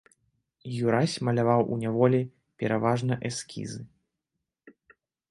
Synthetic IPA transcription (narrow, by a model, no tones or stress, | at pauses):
juɾasʲmɐlʲavawʔṵnʲavɔlʲi | pʲɛɾavaʐnɐʔɛskʲʰḭzɨ